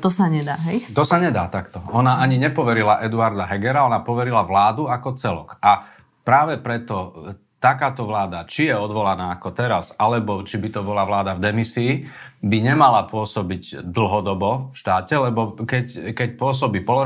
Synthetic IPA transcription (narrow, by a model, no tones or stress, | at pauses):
t̪ɔsaɲɛd̪aːɦɛjt̪ɔsaɲɛd̪aːt̪akt̪ɔɔnaaɲiɲɛpɔʋɛɾilaʔɛd̪uaɾd̪aɦɛɡɛɾaɔnapɔʋɛɾilaʋlaːd̪uakɔt͡sɛlɔ̰ka | pɾaːʋɛpɾɛt̪ɔ | t̪akaːt̪ɔʋlaːd̪at͡ʃijɛɔd̪ʋɔlanaːakɔt̪ɛɾazalɛbɔt͡ʃibit̪ɔbɔlaʋlaːd̪avd̪ɛmisiːbiɲɛmalapʊɔsɔbiɟd̪l̩ˠɦɔd̪ɔbɔfʃt̪aːcɛlɛbɔkɛckɛc̚pʊɔs̬ɔbiːpɔlɔ